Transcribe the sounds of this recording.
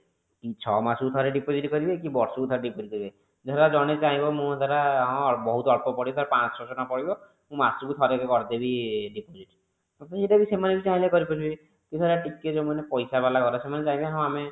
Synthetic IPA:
kit͡ʃʰɔmasut̪ʰɔɾeɖipod͡ʒiʈkɔɾibekibɔɾsɔkut̪ʰɔɾeɖipoʈikɔɾibe | d͡ʒet̪ʰaɾad͡ʒɔɽ̃et͡ʃaɦĩbɔmũd̪aɾaɦɔ̃bɔɦut̪ɔɔɽpɔpɔɽibt̪ʰaɾapãt͡ʃsɔt͡ʃɔnapɔɽibɔ | mũmasukut̪ʰɔɾekekɔɾd̪ebiɖipod͡ʒiʈ | ɔt̪seʈabisemanebit͡ʃaɦĩlekɔɾipɔt͡ʃʰubi | k̪it̪ʰɔɾaʈikːed͡ʒemanepɔjsabalakɔɾɔsemanet͡ʃaɦĩbeaɦɔ̃ame

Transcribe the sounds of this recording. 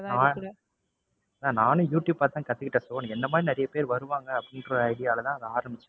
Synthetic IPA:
naː | ɐlãːnaːnɯ̃juːʈjuːb̚paːɾt̪ːãːkɐt̪ːɯkːɪʈːɐsɔʋːɐɳɛnd̪ɐmaːd̪ɾinɐɾɐjɐpeːɾʋɐɾɯʋaːŋɡɐːpːɐɽɪnɖɾɔɾɐɪɽɪjaːlɐt̪ãːɐðaːɾɐmbɪt͡ʃːʊ̥̃

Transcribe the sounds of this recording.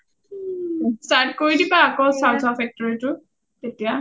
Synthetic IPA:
stat̚koɹidipaːkɔsawtʰɔpʰɛk̚tɔɹitʊ | tetija

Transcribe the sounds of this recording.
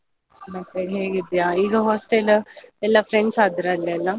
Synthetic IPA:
nɐkeɦeːɡid̪ejaiːɡɐɦoːsʈelɛlːɐfɾeɳɖsaːd̪ɾɐlːɛlːɐ

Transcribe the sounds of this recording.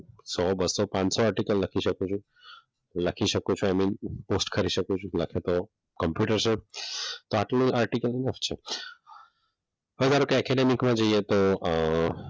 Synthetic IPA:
sɔbəsːɔpãt͡ʃsɔaɾʈikəlləkʰiʃəkũt͡ʃʰũ | ləkʰiʃəkũt͡ʃʰũajminposʈkʰəɾiʃəkũt͡ʃʰũləkʰet̪o | kəmpjuʈəɾt͡ʃʰet̪oaʈlĩʔaɾʈikəlɪnəft͡ʃʰe | ɦəd͡ʒaɾokeɛkɛɖemikmãd͡ʒoiet̪o

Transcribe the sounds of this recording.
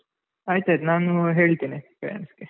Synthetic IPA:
ɐjt̪ɐjd̪naːnuɦe̞ːɭt̪iːnipejɐ̰nsɡe

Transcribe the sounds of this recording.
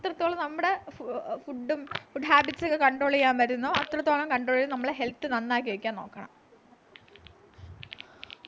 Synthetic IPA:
ɐt̪ːrɐt̪ːoːɭɐmnɐmːuɽe̞fuɖːumfuɖɦaːbitːsokːɐkɐɳɖro̞ːɭikʲːaːnʋɐɾunːɐɐt̪rɐt̪ːoːɭɐmkɐɳɖroːɭiɾumnɐmːɐɭɽeɦe̞lt̪ːɨnɐnːaːkʲːiʋɐkʲːaːnno̞ːkːɐɳɐ̰m

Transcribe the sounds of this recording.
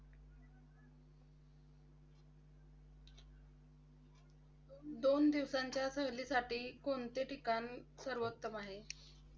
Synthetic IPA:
d̪ond̪iʋsaɲt͡ɕjasəɦlisaʈiːkoɳt̪eʈikanisəɾʋət̪ːəmaɦe

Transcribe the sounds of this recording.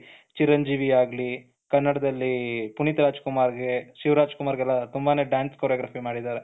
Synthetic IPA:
t͡ʃiɾɐɲd͡ʒiːʋiaːɡli | kɐnːɐɽɐd̪ɐlːipunit̪ɾaːd͡ʒkumaːɾɡe̞ʃiʋɾaːd͡ʒkumaːɾɡɛlːɐt̪umbaːne̞ːɖjaːnskoːɾjaːɡɾaːpimaːɽid̪aːɾe

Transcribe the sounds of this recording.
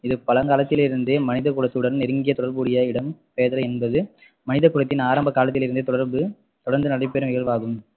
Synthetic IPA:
ɪðɯpɐlɐkaːlɐt̪ːɪlɪɾɯnd̪eːmɐnɪðɐkːʊɽɐt̪ːɯɽɐɾnɛɾɯŋɡɪjɐt̪ɔɽɐɾbuːɽɪjɐɪɽɐmpeːðɐɾɐɛnbɐðɯ | mɐnɪðɐkːʊɽɐt̪ːɪnaːɾɐmbɐkaːlɐt̪ːɪlɪɾɯnd̪eːt̪ːɔɽɐɾbɯ | t̪ɔɽɐɾnd̪ɯnɐɽɐɪpːeɾɯmɪɣɐɾʋaːɣɯm

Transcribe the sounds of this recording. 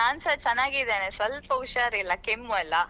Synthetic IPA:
aːnsɐt͡ʃɐnːaːɡid̪eːnesɐlfɐwʃaɾilːɐkemːuɐlːɐ

